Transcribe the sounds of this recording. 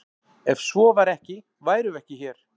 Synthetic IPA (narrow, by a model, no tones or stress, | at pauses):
ɛvsvɔvaɾɛhcɪ | vaːjɾʏvɛhcɪçɛɾ̥